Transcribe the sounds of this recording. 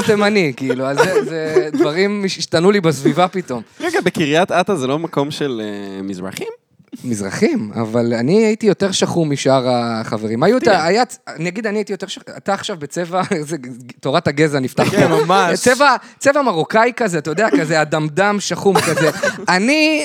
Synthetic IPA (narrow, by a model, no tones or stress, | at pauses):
temanikiːlualzezed̪vaʁimiʃiʃtanulibasvivapito̞mʁeɡabekiʁijat̪atazelo̞mako̞mʃelemizʁa̰χim | mizʁa̰χima̰valaniaitijo̞t̪e̞ʁʃaχumiʃaʁaχaveʁimajut̪aːjaniaɡid̪aniait̪ijo̞t̪e̞ʁʃaa̰taːχʃavbet͡se̞vaezeto̞ʁataɡe̞zanift̪aχemamat͡sevat͡sevamaʁokajkazeatajod̪eatkazeadamdamʃaχumkazeani